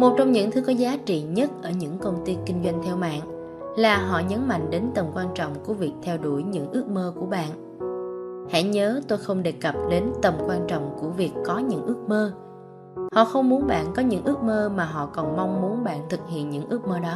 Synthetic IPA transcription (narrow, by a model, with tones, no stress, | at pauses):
mo˨˩t̚t͡ɕɔ˧wŋ͡mɲɨ̰˧˥ŋt̪ʰɨ˨˦kɔ˨˦zaː˨˦t͡ɕḭ˧˨ɲə˦˥t̚ʔəː˧˩ɲɨ̰˧˥ŋkə˧wŋ͡mt̪i˧kï˧ŋ̟zwa˧jŋ̟t̪ʰɛ˧wma̰ː˧˨n | laː˨˩ɦɔ̰˧˨ɲə˨˦nma̰˧˨ŋɗe˨˦nt̪ə˨˩mkwaː˧nt͡ɕɔ̰˧˨wŋ͡mku˧˩əvi˨˩ək̚t̪ʰɛ˧wɗu˧˩jɲɨ̰˧˥ŋʔɨ˦˥ək̚məː˧ku˧˩əɓa̰ː˧˨n | hɛ̰˧˥˨ɲəː˨˦t̪o˧jxə˧wŋ͡mɗe˨˩kə˨˩p̚ɗe˨˦nt̪ə˨˩mkwaː˧nt͡ɕɔ̰˧˨wŋ͡mku˧˩əvi˨˩əkːɔ˨˦ɲɨ̰˧˥ŋʔɨ˦˥ək̚məː˧ | hɔ̰˧˨xə˧wŋ͡mmu˨˦nɓa̰ː˧˨nkɔ˨˦ɲɨ̰˧˥ŋʔɨ˦˥ək̚məː˧maː˨˩ɦɔ̰˧˨kɔ˨˩nma˧wŋ͡mmu˨˦ənɓa̰ː˧˨nt̪ʰɨ˨˩k̚hḭ˧˨ənɲɨ̰˧˥ŋʔɨ˦˥ək̚məː˧ɗɔ˨˦